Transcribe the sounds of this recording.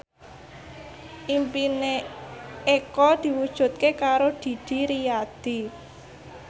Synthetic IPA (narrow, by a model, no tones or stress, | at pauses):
ʔimpine | ekɔd̪̥i̤wud̥ʒ̥ṳt̪̚kekaɾod̪̥i̤d̪̥i̤ɾijad̪̥i